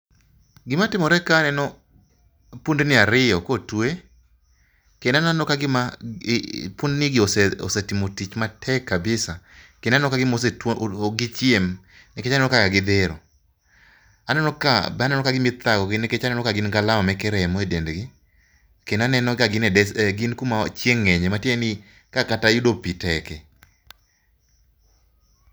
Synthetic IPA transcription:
ɡɪmatɪmɔɾɛkanɛnɔ | pundnɪaɾɪɔkotwe | kɛnananɔkaɡɪma | pundnɪɡɪosɛo̰setimotit͡ʃmatʰɛkːabɪsakennnɔkaɡɪmoseɡɪt͡ʃɪem | nɛkeanɛnɔkakaɡɪd̪eɾo̰ | anɛnɔka̰banɛnɔkaɡɪmɪt̪aɡɔɡɪneket͡ʃanɛnɔkaɡɪnɡalaɔmɛkɛɾɛmɔedendɡɪ | kenanɛnɔkaɡɪnɛɛɡɪnkumat͡ʃjeŋːɛɲɛmatjenɪ | kakatajudopitɛkɛ

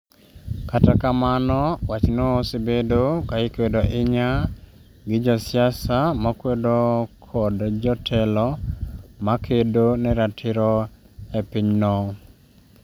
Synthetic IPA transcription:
katakamanɔwat͡ʃnosibedokaɪkwedoʔɪɲa | ɡɪd͡ʒɔsjasamakwedokʰɔdd͡ʒɔtʰɛlɔ | makʰedonɛɾatʰɪɾɔ | epiɲnɔ

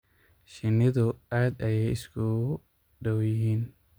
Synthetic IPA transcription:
ʃɪnːɪðʊaːd̪ɐjɛjɪskʰʊ | ɖɔwjɪɦiːn

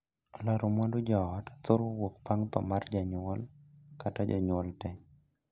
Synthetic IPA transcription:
laɾomɔndod͡ʒɔɔtat̪oɾowokpaŋt̪ɔ̰mard͡ʒaɲwɔlkatad͡ʒɔ̰ɲɔltɛ

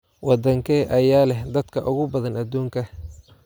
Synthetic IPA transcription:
wɑd̪ɐŋkʰɛʔɐjaːlɛhd̪ɐd̪kʰɐʔʊɣʊbɐðɐnɐd̪uːŋkʰɐ

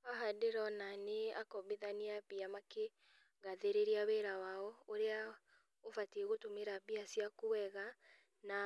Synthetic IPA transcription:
aɦadeɾɔnaneakɔβeðaniabiamake | ɣaðeɾeɾiaβɛɾawaɔoɾea | ofatieɣotomeɾabiasiakowɛɣa | na

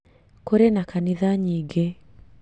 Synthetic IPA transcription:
koɾenakaniðaɲiːɡe

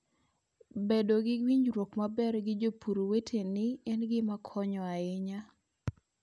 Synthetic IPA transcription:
bedoɡɪwiɲɾwokmabɛrɡɪd͡ʒopʰuɾowetʰenɪɛnɡɪmakʰɔɲɔaɪɲa

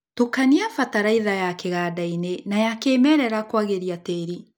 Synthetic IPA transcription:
tokaniafataɾaiðajakeɣadainenajakemɛːɾɛɾakwaɣeɾiateːɾi

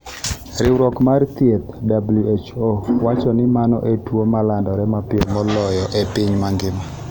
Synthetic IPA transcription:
ɾɪwɾɔkmart̪jet̪dabluet͡ʃowat͡ʃɔnɪmanɔ̰ʔetwomalandɔɾɛmapɪomɔlɔjɔʔepɪɲmaŋɡɪma

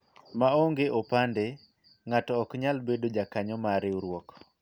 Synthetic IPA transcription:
maoŋɡeʔopande | ŋatɔːkɲalbedod͡ʒakaɲɔmaɾɪuɾwɔk

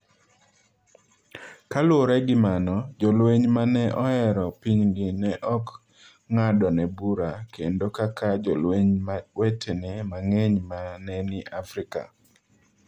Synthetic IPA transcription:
kalwoɾɛɡɪmanɔd͡ʒɔlweɲmanɛʔɔɛɾɔpiɲɡɪnɛʔɔk | ŋadɔnɛbuɾakʰendokakad͡ʒɔlweɲmawɛtʰenɛmaŋeɲmanɛnɪʔafɾɪka̰

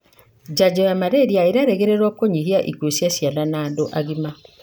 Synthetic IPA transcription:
d͡ʒad͡ʒojamaɾeɾiaeɾaɾeɣeɾeɾwɔkoɲihiaʔḭkosjasjalanaːndoʔaɣima

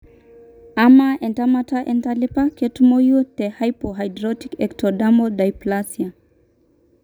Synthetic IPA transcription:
amaʔɛntamataʔɛntalipaketumojut̪ɛhajpoɦajdɾɔtikɛktɔdamɔdajplasia

